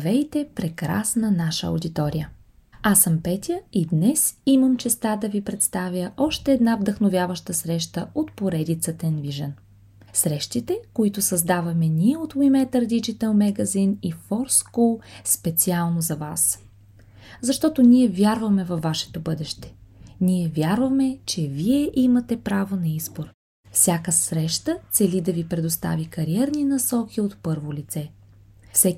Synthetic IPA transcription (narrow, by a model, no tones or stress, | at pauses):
vɛjt̪ɛpɾɛkɾa̰snənaʃə̰o̰d̪it̪ɔɾijə | asəmpɛt̪ʲjəid̪nɛsiməmt͡ʃɛst̪ad̪ɐvipɾɛt̪st̪avʲjəʔɔʃt̪ɛːd̪navd̪əxnovʲjavəʃt̪əsɾɛʃt̪əot̪poɾɛd̪it̪sət̪ənviʒɛn | sɾɛʃt̪it̪ɛkoit̪ʊsɐzd̪avɐmɛnʲiɛot̪vuimɛt̪əɾd̪it͡ʃit̪əlˠmɛɡɐzinifɔɾskulˠspɛt̪sialˠnozɐvas | zɐʃt̪ɔt̪ʊniɛvʲjaɾvɐmɛvɐvːaʃɛ̥t̪obɤd̪ɛʃt̪ɛ̥niɛvʲjaɾvɐmɛt͡ʃɛviɛʔimɐt̪ɛpɾavonɐizboɾ | fsʲjakəsɾɛʃt̪ət̪sɛlid̪ɐvipɾɛd̪ost̪a̰vikɐɾiɛɾninɐsɔkʲiot̪pɤɾvolit̪sɛfsɛ